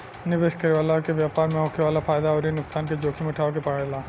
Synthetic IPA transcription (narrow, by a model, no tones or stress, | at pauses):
nɪʋeːʃkɐɾiʋaːlakeʋjaːpaːɾmẽɦoːkʰeʋaːlapʰaːjd̪aɔːɾinʊksaːnked͡ʒoːkʰimeʈʰaːokepaːɽelaː